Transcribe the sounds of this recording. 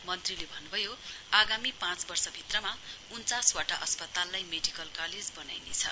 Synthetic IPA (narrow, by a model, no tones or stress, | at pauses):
mʌnt̪rilebʱʌnːubʱʌjoaɡamipãt͡sbʌrsʌbʱit̪rʌma | unt͡saswaʈaʔʌspʌt̪alːajmeɖikʌlkaled͡zbʌna̰jnḛt͡sʰʌ̰